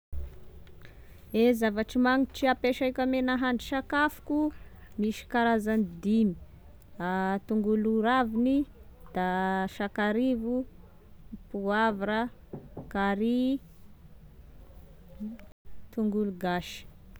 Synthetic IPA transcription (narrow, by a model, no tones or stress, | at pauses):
ezavaʈ͡ʂimaŋiʈ͡ʂiapeʃajkʲamenaɦaɳɖ͡ʐi̥ʃakafu̥ku | miʃi̥kaɾazanid̪ini̥ | at̪uŋɡuluɾavinid̪̥aʃakaɾivu | puavaɾəkaɾi | t̪uŋɡuluɡaʃi̥